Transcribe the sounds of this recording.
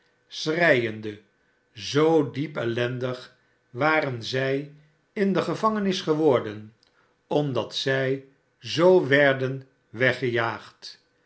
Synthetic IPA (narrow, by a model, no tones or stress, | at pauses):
srɛjəndə | zowdipɛlɛndəχ | ʋaːɾənzɛj | ɪndəχəvɑŋənɪsχəʋɔɹdən | ɔmdɑtsɛj | zowʋɛɹdən | ʋɛχəjaːχt